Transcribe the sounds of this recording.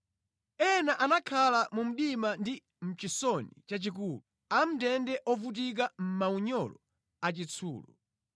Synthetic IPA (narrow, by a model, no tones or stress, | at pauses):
ɛnaʔanakʰalamum̩ɗimandi | m̩t͡ʃisɔnit͡ʃat͡ʃik̬uːlu | am̩tɛndɛʔɔvut̬ik̬am̩mauɲɔlɔ | at͡ʃit͡sʰṵːlɔ